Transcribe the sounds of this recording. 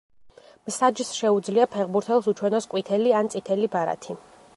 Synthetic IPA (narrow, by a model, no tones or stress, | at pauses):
msad͡ʒsʃɛud̪zliapʰɛʁbuɾt̪ʰɛlˠsut͡ʃʰwɛnɔskʼwit̪ʰɛliant̪sʼit̪ʰɛlibaɾa̰t̪ʰi